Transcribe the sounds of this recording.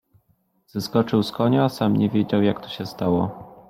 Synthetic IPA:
z̥ɘskɔt͡ʂɘwskɔɲaasamɲɛvʲjɛd͡ʑawjakt̪ɔ̥ɕɛst̪awɔ

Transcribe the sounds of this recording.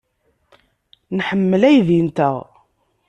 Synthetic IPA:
nħəmːəlæjðint̪æʁ

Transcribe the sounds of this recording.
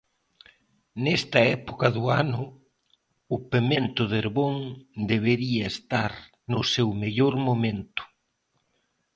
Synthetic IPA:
nɛst̪ɐɛpokɐðʊanʊ | ʊpemẽnt̪ʊðeɾβoŋd̪eβeɾiɐest̪aɾ | nʊsewmeʎoɾmomẽnt̪ʊ̥

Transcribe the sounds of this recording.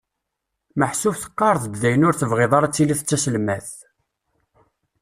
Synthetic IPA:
məħsufθə̥qːɑɾˤðˤbðæjənʊɾθəvʁeðˤɑɾˤæt͡sːiliθət͡sːæsəlmæθ

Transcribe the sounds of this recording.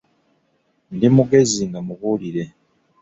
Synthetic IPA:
ndimuɡe̞zinamuβuliɾe

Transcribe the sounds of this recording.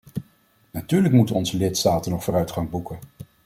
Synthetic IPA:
natyːɹləkmutənɔnzəlɪtstaːtənɔχfʊːrœɥtχɑŋbukən

